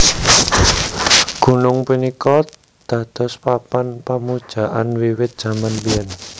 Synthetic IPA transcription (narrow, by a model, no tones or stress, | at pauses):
ɡ̥ṳnʊŋpunikɔ | d̪̥ä̤d̪̥ɔ̤spapanpamud̥ʒ̥a̤ʔa̰nwiwɪt̪̚dʒ̥ä̤manbiɛn